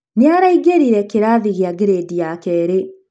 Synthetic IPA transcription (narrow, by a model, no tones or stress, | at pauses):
neaɾaiɡeɾiɾɛkeɾaðiɣeaɡeɾedijakɛːɾe